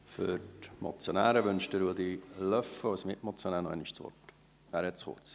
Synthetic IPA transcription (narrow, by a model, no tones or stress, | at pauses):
fʏɾtmɔ̰t͡sjonæːɾəʋʉnʃtəɾuəd̪ilœfəɔwsmɪʔmɔt͡sjonæːnɔɛ̰niʃt͡sʋɔ̰rt | æːɾhɛtt͡sχʊ̰rt͡s